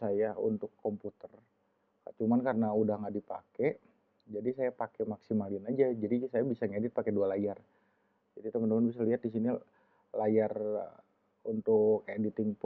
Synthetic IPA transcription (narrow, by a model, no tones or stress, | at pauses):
ajaṵnt̪ʊkʰːɔmput̪ər | ka̰t͡ʃumankarənaudahŋadipakɛʔ | d͡ʒadisajapakɛmaksimalinad͡ʒad͡ʒadisajabisaŋedɪt̪̚pakedualajar | d͡ʒadit̪əmənəmənbis̬aliɦat̪̚disini | lajar | unt̪ʊkːajadit̪ɪŋp